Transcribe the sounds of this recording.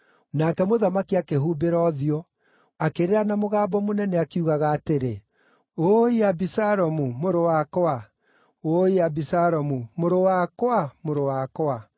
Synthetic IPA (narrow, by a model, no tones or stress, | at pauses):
nakɛmoðamakiakeɦuːbeɾɔðiɔ | akeɾeɾanamoɣaːbɔmonɛnɛakiuɣaɣaːteɾe | oiabisaɾɔmumoɾowakɔa | oiabisaɾɔmumoɾowakwamoɾowakɔa